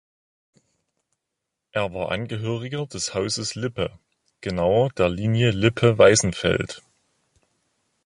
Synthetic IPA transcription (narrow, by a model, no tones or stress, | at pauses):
ʔeːɐvaːɐʔa̰nɡəɦøːʁ̞ɪɡɐdɛshaʊzəslɪpə | ɡ̥ənaʊɐdeːɐliːnjəlɪpʰəvaɪzn̩fɛ̰lt